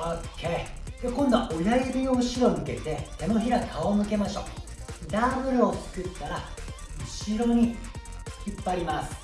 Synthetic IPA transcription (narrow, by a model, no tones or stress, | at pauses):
okʰːe̞d̪ekõ̞nd̪o̞aʔojaibʲioɯɕiɾo̞mɯ̟ke̞t̪e̞t̪e̞no̞çiɾat̪ʰaomɯ̟ke̞maɕo̞̰ːd̪aːbɯ̟ɾɯ̟ot͡sɨ̥kɯt̪ːaɾaɯ̟ɕiɾo̞ɲ̟i | çipːaɾʲimasɨ̥